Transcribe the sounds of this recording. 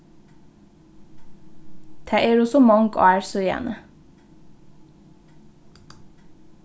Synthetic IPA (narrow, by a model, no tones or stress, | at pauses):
t̪ʰæːʔeːɾɔsɔmɑŋɡo̰ːæːɾsɔjæ̰ːnʔə